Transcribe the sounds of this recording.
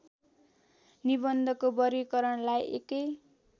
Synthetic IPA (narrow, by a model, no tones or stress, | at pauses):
nibʌnd̪ʱʌkobʌɾikʌɾʌɳlajʔḛkʌj